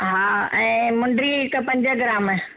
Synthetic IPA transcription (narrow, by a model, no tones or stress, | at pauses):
ɦaːɛ̃ːmʊ̃ɳɖɾiɪkpɐ̃ɲd͡ʑəɡɪɾaːm